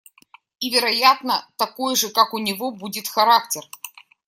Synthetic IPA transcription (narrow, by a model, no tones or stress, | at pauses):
ivʲɪɾɐjat̪nət̪ɐkojʐɨkakʊnʲɪvobudʲɪt̪xɐɾak̚tʲɪr